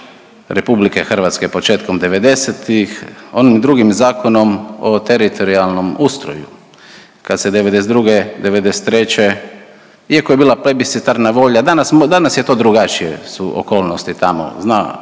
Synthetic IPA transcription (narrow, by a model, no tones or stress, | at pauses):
ɾepublike̞xr̩ʋat̪skepo̞t͡ʃe̞ːt̪komd̪eʋe̞d̪e̞set̪ixo̞nimd̪ɾuɡimzaːkʰo̞no̞mot̪e̞ɾit̪ʰo̞ɾialˠno̞must̪ɾo̰jṵ | kad̪sed̪eʋed̪es̬ed̪ɾuɡed̪e̞ʋed̪e̞se̥t̪ːɾe̞t͡ɕe̞ | iakojebiːlapɾebisit̪aɾnaʋo̞ʎad̪anasmd̪anasjet̪o̞ːd̪ɾuɡat͡ʃijḛsuʔo̰ko̞ːlˠnost̪it̪amo̰zna